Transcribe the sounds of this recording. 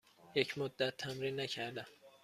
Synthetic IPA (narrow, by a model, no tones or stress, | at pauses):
jecʰmod̪ːæt̪ʰːæmɾiːnːæcʰæɾd̪æm